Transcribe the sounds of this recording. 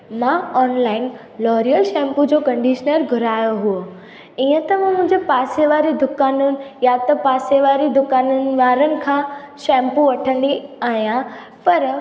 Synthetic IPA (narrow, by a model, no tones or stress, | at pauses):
mãɔːnlaːɪn | lɔːɾijəlʃɛ̃ːmpud͡ʑoːkɐ̃ɳɖiːʃənəɾɡʱʊɾaːjoɦuo | iːə̃t̪ɐmãmʊ̃ɦɪ̃ɲd͡ʑepaːseʋaːɾid̪ʊkaːnʊnɪ̆jat̪ɐpaːseʋaːɾid̪ʊkaːnʊnɪ̆ʋaːɾənɪ̆kʰãːʃɛ̃ːmpũʋɐʈʰə̃nd̪iaːɦijã | pɐɾ